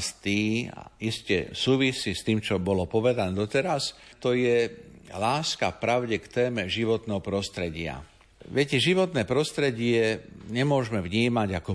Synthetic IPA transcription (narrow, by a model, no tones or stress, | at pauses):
st̪iːa̰iscɛ̰suːʋisiːst̪iːmt͡ʃɔbɔlɔpɔʋɛd̪anɛd̪ɔt̪ɛɾast̪ɔjɛlaːska̰fpɾaʊɟɛkt̪ɛːmɛʒiʋɔt̪nɛːɦɔpɾɔst̪ɾɛɟɪa̰ | ʋɛcɛʒiʋɔt̪nɛːpɾɔst̪ɾɛɟɪɛɲɛmʊɔʒmɛvɲiːmaɟakɔ